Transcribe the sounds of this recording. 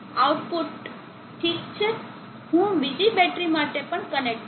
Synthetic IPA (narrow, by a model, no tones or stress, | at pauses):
awʈpuʈ | ʈʰikt͡ʃʰe | ɦũʋid͡ʒibɛʈɾimaʈepəɳkənek̚ʈ